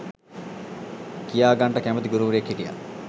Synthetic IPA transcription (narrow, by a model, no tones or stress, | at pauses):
kijaːɡɐɳʈɐkæmət̪iɡuɾuːɾekːiʈija̰